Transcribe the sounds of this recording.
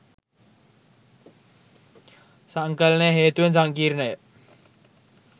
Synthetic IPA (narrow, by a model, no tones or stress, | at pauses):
saŋkəlnəjəɦeːt̪uʋensaŋkiːɾnəjə